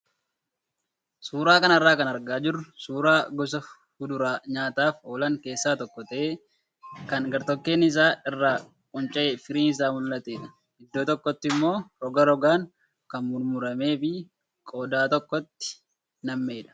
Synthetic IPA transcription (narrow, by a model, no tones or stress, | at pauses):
suːɾaːkɐnɐrːaːkɐnɐɾɡaːd͡ʒɪrːʊsuːɾaːɡɔs̬ɐ | hʊd̪ʊɾaːɲaːt̪aːfoːlɐŋke̞ːsːaːt̪ɔkːɔt̪ɐʔeː | kɐnɡɐɾt̪ɔkːe̞ːnɪs̬aːɪrːaː | kʼʊnt͡ʃʼɐʔeːfɪɾiːnɪs̬aːmʊlːɐt̪eːᶑɐ̥ | ɡɪd̪ːoːt̪ɔkːɔt̪ːɪmːo̞ːɾɔɡɐɾɔɡaːŋ | kɐnmʊɾmʊɾɐme̞ːfɪ | kʼoːd̪aːt̪ɔkːɔt̪ːɪ̥ | nɐmːe̞ːᶑ̪ɐ̥